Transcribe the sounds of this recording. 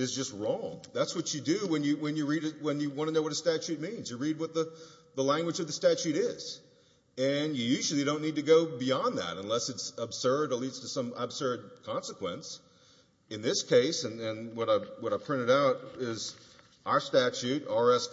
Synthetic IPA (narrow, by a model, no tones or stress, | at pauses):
ɨzd͡ʒʌst̚ɹɔ̃ŋðætswʌt͡ʃɨdɨwə̃njɨwɨ̃njɨɹiɾɨwə̃njɨwɑ̃ñəɨnoʊwʌɾɨstæt͡ʃʉt̚mĩnzjɨɹid̚wʌt̪̚ðəðəlæ̃ŋɡwəd͡ʒʌvðɨstæt͡ʃʉɾɪz̥ | ɨ̃njɨjʉʒl̩ˠiɾõʊ̃nːid̚tɨɡoʊbiɑ̃nðæ̰ɾə̃nlɛsɨtsəb̥sɜ˞ɾətˡlidz̥tʰɨsʌ̃məb̥sɜ˞d̚kʰɑ̃nsəkʰw̥ɛ̰̃ns | ɨ̃nðɪskʰeɪsɨ̃nɨ̃nwʌɾaɪwʌɾaɪpʰɹ̥ɪ̃ɾ̃ɨɾaʊɾɪz | ʔaə˞stæt͡ʃʉɾɑɹɛs